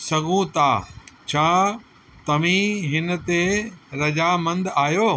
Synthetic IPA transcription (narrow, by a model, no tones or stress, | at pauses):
sɐɡʱũt̪aːt͡ɕʰaː | t̪ɐʋĩɦɪnə̆t̪eɾɐd͡ʑaːmɐ̃nd̪aːjoː